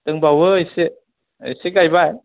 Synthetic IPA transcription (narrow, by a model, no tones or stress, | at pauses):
t̪ɯŋbawəisiʔ | siɡajbaj